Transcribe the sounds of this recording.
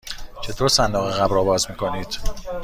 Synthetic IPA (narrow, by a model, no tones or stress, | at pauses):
t͡ʃʰe̞t̪ʰoːɾsænd̪ɒːɣeɣæbɾɒːbɒːzmiːkʰo̞niːd̪̥